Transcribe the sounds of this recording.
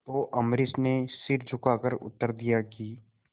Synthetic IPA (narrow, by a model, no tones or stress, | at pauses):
t̪oʔɐmɾɪsnesɪɾd͡ʒʱʊkaːkəɾʊ̰t̪ːəɾd̪ijakiː